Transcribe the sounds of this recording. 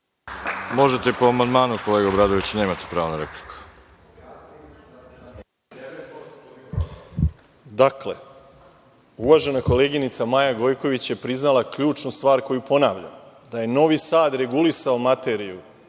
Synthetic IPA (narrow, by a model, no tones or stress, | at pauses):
mo̞ʒet̪epoamand̪maːnuko̞leːɡabɾaːd̪oʋit͡ɕne̞ːmat̪i̥pɾaːʋonaɾepli̥ku̥ | d̪akle̞̰ | uʋaʒe̞nako̞le̞ːɡinit̪samajaɡo̞jko̞ʋit͡ɕje̞pɾiznalˠakʎuːt͡ʃnust̪ʋaːɾko̞jupo̞naːʋʎa̰m | d̪aje̞no̞ʋisaːd̪ɾe̞ɡulisaomat̪e̞ɾiu